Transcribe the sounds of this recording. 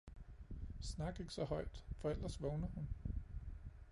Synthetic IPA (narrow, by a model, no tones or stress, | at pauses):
snɑ̈ɡ̥e̝ɡ̥sɒ̽hɒ̽ɪ̰d̥fɒ̽el̰ɐsʋɔʊnɐhun